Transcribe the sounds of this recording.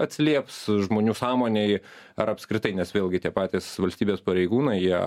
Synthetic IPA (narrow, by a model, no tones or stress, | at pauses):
ɐt̪ʲsʲɪlʲiɛpsʒmoːnʲuːsɑːmoːnʲɛɪ | ɐɾɐpskɾʲɪt̪ɐɪnʲɛsʋʲeːlˠʲɡʲɪt̪ʲiɛpɑːt̪ʲeːsʋɐlʲsʲt̪ʲiːbʲeːspɐɾʲɛɪɡuːnɐɪjiɛ